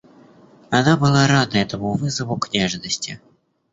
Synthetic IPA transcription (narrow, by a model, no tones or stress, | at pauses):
anabɨlˠaɾad̪əɛt̪əmuvɨzəvʊknʲaʐnəsʲtʲɪ